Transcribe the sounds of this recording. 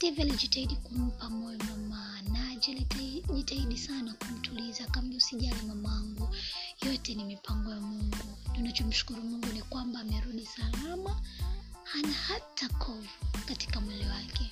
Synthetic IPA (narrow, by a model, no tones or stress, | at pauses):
tɛvɛaliʄitaiɗikum̩pamɔjɔmama | nalʄitaiɗisanakum̩tʰulizakambiusiʄanamamaaŋɡujɔtɛnimipʰaŋɡɔjamuŋɡutunat͡ʃɔm̩ʃu̥kuɾumuŋɡunikwambaːmɛɾuɗisalama | hanahatʰakʰɔvukati̥kamwɛlɛwakɛ